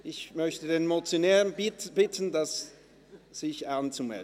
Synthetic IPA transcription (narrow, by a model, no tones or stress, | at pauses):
ʔɪçmœçtədeːnmot͡sjonɛːʁənbɪtʰn̩das | z̥ɪçant͡sumɛ̰l